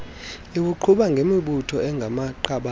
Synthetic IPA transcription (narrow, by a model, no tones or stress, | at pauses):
ik̬uǃʰuɓaŋɡʱemiɓutʰɔɛŋɡʱamaǃaɓa